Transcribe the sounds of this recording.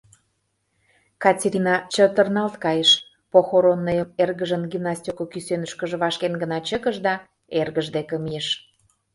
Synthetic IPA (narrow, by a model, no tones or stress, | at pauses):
kɑtʲeɾʲinɑt͡ɕət̪ərnɑlt̪kɑjeʃ | poxoɾonːəjəmerɣəʒənɡimnɑst̪ʲokokysønəʃkə̆ʒə̆βɑʃkenɡənɑt͡ɕəkəʒd̪ɑ | erɣəʒd̪ekə̆mijeʃ